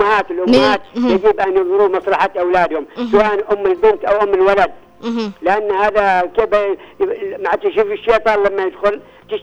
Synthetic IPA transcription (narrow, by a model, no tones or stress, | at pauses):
ahaːt̪ɪlʔʊmːhaːt̪̚jad͡ʒibʔanjɨðˤlɾuːmɑsˤlɑħat̪ʔawlaːd̪hʊmsawaːʔanʔʊmːɪlbɪnt̪ʔawʔʊmːɪlwalad̪̚ | lɪʔanːhaːðakeːb | maʕt̪ɪʃufɪʃːeːt̪ˤɑːnlamːajɪd̪xʊl | t̪ɪʃ